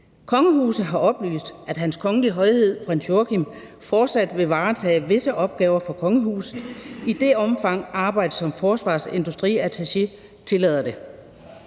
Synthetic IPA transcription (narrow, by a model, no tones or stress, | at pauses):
kʰɒ̽ŋəɦuːsð̩ˠɦɑ̈ɒ̽b̥ly̰ːsd̥æd̥ɦænskʰɒ̽ŋəliɦɒ̽ɪhe̝ð̰ˠb̥ʁɛnsjokʰim | fɒːd̥sæd̥ʋe̝ʋɑ̈ːt͡sʰɛ̰ːʋe̝səʔɒ̽b̥̚ɡ̥ɛːʊɐfɒ̽kʰɒ̽ŋəɦṵːsid̥e̝ɒ̽mfɑ̈ŋ̰ɑ̈ːb̥ɑ̈ɪ̰d̥əsɒ̽mfɒːsʋɑ̰̈ːse̝nd̥usd̥ʁḭːæt͡sʰæɕe̝ | t͡sʰe̝lɛð̰ˠɐd̥e̝